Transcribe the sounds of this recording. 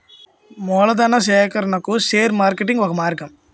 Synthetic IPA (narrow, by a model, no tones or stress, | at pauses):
moːlɐd̪aːnaseːkɐɾɐnɐkːuseːɾmaːɾkeʈːɪŋɡʋɐɣɐmaːɪɾɯkːɐm